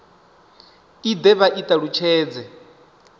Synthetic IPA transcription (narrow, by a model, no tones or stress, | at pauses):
id̪ɛβaʔit̪ʼaɺut͡ʃʰɛːd͡zɛ